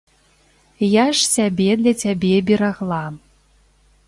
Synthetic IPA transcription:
jaʂsʲabʲɛd̪lʲɐt͡sʲabʲɛbʲɛɾaɣlˠam

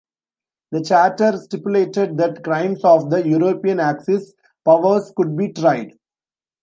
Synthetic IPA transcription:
d̪ət͡ʃæːʈəɾsʈɪpjʊleːʈeɖ̚d̪æʈkɾãɪ̃msɔːʋd̪əjuːɾoːpiə̃næksɪs | pʌʋəɾskʊɖ̚biːʈɾaɪɖ

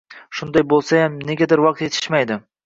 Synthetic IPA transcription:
ʃʊnd̪ajbolˠsajamne̞ɡʲad̪ɪɾwɑq̚t̪et̪ʰɪ̥ʃmajd̪ɪ

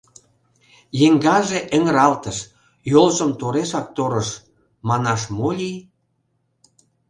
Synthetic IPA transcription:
jeŋɡɑʒeʔə̆ŋəɾɑlt̪əʃ | jolʒə̆mt̪oɾeʃɑk̚t̪oɾə̆ʃ | mɑnɑʃmolʲij

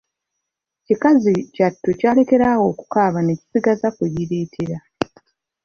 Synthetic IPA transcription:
cikazicatːocaːle̞ke̞ɾaːwo̞ːku̥kaːβane̞ci̥siɡazakweβiɾeːtʰeɾa

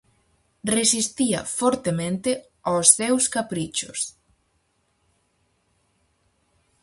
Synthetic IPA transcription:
resist̪iɐ̰fɔɾt̪emẽnt̪ɪ | awsθewskapɾit͡ʃʊ̰s

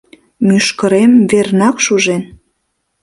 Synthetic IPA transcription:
myʃkə̆ɾemvernɑkʃuʒen

